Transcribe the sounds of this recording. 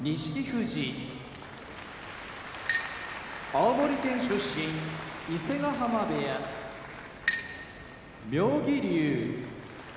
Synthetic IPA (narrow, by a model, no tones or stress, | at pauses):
ɲiɕi̥kʲiçɯʑi | aomo̞ɾʲik̪ẽ̞ɰ̃ɕɨɕːĩŋise̞ɡaɦamab̪eja | mʲjoːɡʲiɾʲɯː